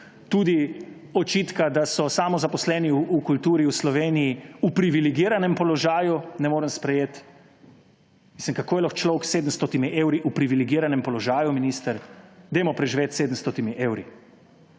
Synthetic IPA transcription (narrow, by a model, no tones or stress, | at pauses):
t̪uːd̪i | ɔt͡ʃit̪kad̪asɔsamɔzapɔslɛːniukult̪uːɾiuslɔʋeːnijiupɾiʋiliɡiːɾanɛmpɔlɔʒaːjunɛmoːɾəmspɾɛjeːt̪ | mislimkakoːjɛlɔxt͡ʃlɔwkseːd̪əm̩st̪ot̪imiʔeːwɾiʔupɾiʋiliɡiːɾanɛmpɔlɔʒaːjuminiːst̪əɾd̪eːmɔpɾɛʒiʋeːt̪seːd̪əm̩st̪ɔt̪imiʔeːwɾi